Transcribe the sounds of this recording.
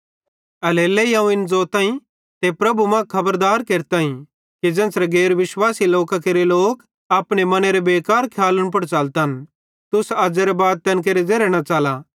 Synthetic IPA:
ɐleːlejãːũɪnd͡zoːt̪ãːĩ | t̪epɾɐbumɐ̃kʰɐbəɾd̪aːɾkeːɾt̪aːĩ | kid͡ʒɛ̃ːnsɾɛɡeːɾʋɪʃwaːsiloːkakeɾeloːk | aːpɽ̃emɐneɾebeːkaːɾkʰjaːləɽ̃p̬ɐɽt͡ʃaːlt̪an | t̪ʊsaːd͡ʒeɾebaːd̪̚t̪ɐnk̬eːɾed͡zeːɾɛɽ̃at͡ʃaːlaː

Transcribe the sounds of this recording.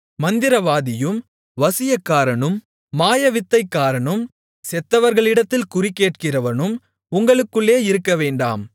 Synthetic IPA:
mɐnd̪ɪɾɐʋaːðɪjɯm | ʋɐsɪjɐkːaːɾɐɳɯmː | aːjɐʋɪt̪ːɐɪkːaːɾɐɳɯm | sɛt̪ːɐʋɐɾɣɐɭɪɽɐt̪ːɪlkʊrɪkːeːʈ̚kɪrɐʋɐnɯm | ʊŋɡɐɭɯkːɯɭːeːɪɾɯkːɐʋeːɳɖa̰ːm

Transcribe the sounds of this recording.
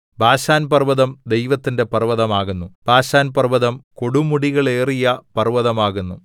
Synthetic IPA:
bʱaːɕaːnpɐrʋɐðɐmd̪e̞jʋɐt̪ːinde̞pɐrʋɐðɐmaːɣunːub̥ʱaːɕaːnpɐrʋɐðɐmko̞ɽumuɽiɣɐɭe̞ːrijɐpɐrʋɐðɐmaːɣunːu

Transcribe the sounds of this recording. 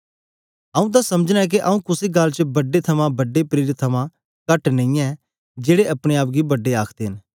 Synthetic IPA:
ɐũt̪̬asɐməd͡ʒnãɛk̬eʔɐũkʊseɡɐlt͡ʃəbɐɖet̪ʰɐmãbɐɖːepɾiːɾɪt̪ʰːɐmã | kɐʈnɐ̃ĩjã | d͡ʒeːɽeɐpɽ̃eaːp̬̚ɡibɐɖːeaːkʰd̪eɦɪn

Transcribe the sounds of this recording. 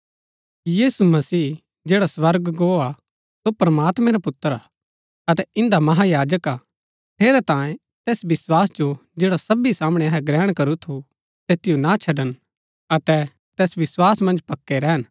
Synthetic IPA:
jiːsumɐsiː | d͡ʒeːɽaswɐɾɡɡoːa | sopɾɐmaːt̪mɛ̃ɾapʊt̪ːəɾa | ɐt̪ɛʔɪ̃nd̪amɐɦajaːd͡ʒəka | t̪ʰeːɾɛt̪ãːjẽ | t̪eːsʋɪswaːsd͡ʒod͡ʒeːɽasɐbisaːməɽ̃ɛɐɦɛɡɾɛːɽ̃kɐɾut̪ʰu | t̪eːt̪ɪjonat͡ʃʰɐɖən | ɐt̪ɛ | t̪ɛːsʋɪswaːsmɐ̃nd͡ʒpɐkːeɾɛɦən

